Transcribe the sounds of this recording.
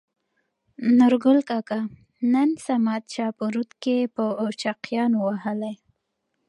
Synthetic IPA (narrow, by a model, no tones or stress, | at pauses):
nʊɾɡʊlkɑka | nənsamad̪̚t͡ʃɑpuɾut̪kepəːt͡ʃɑqjɑnowaɦəlaj